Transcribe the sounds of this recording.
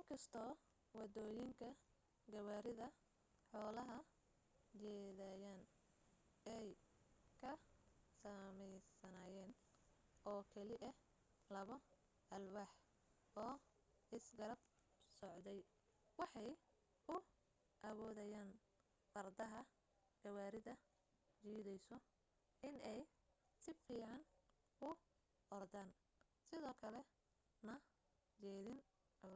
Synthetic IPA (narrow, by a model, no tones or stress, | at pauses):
ʔɪŋkʰɐst̪ʰɔː | wɑd̪ɔːjɪŋkʰɐ | ɡɐwaːɾɪðɐ | ħɔːlɐɦɐ | t͡ʃɛːðaːjaːn | ɛjkʰɐsɐmɛjsɐnaːjɛːn | ʔɔːkʰɛlɪʔɐ | lɐβɐ | ʔɐlwɑħ | ɔː | ɪsɡɐɾɐb̚ | sɔʕd̪ɛj | wɑħɑj | ʊ | ʔɐβɔːðɛjaːn | fɐrd̪ɐɦɐ | ɡɐwaːɾɪðɐ | t͡ʃiːðɛjsɔ | ʔɪnɛj | sɪfiːʕɑn | ʊ | ʔɔrd̪aːn | sɪðɔːkʰɐlɛ | nɐ | t͡ʃɛːðɪn